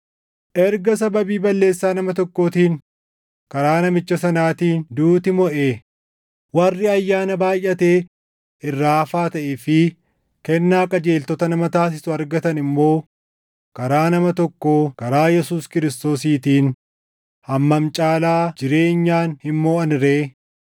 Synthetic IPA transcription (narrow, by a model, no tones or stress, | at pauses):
ʔɛɾɡɐs̬ɐbɐbiːbɐlːe̞ːsːaːnɐmɐt̪ɔkːo̞ːt̪iːn | kɐɾaːnɐmɪt͡ʃːɐsɐnaːt̪iːnd̪uːt̪ɪmɔʔeː | wɐrːɪɐjːaːnɐbaːjʔɐt̪eː | ɪrːaːfaːt̪ɐʔefɪ | kɛnːaːkʼɐd͡ʒeːlt̪ɔt̪ɐnɐmɐt̪aːs̬ɪsʊɐɾɡɐt̪ɐnɪmːo̞ː | kɐɾaːnɐmɐt̪ɔkːoːkɐɾaːjɛsuːskɪɾɪst̪o̞ːsiːt̪iːn | hɐmːɐmt͡ʃʼaːlaːd͡ʒɪɾe̞ːɲːaːnhɪnmoːɐnɪɾe̞ː